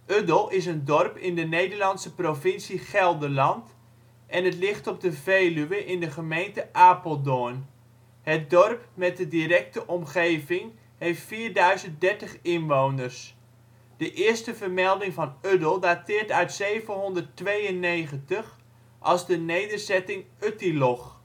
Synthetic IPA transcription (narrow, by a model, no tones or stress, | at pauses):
ʔødəlˠɪs̬əndɔrpɪndənejdərlɑntsəprovɪnsiχɛlˠdəlɑnt | ʔɛnətlɪχtɔp̚dəveːlyʋəʔɪndəχəmejntəʔaːpolˠdoən | hət̚dɔrpmɛt̚dədiɾɛk̚təʔɔmχejvɪŋ | hejftfiːrdœɥzənt̚dɛɹtəχɪnʋownərs | d̥əʔɪərstəvərmɛlˠdɪŋvɑnødəlˠdatɪːrtœɥtsejvənɦɔndərtʋejənːeːχəntəχ | ʔɑlˠzdənejdərzɛtɪŋ | øtilɔχ